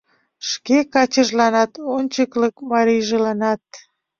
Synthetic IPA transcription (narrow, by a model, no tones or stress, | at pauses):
ʃkekɑt͡ɕəʒlɑnɑt̪onʲt͡ɕəkləkmɑɾijʒelɑnɑt̪̚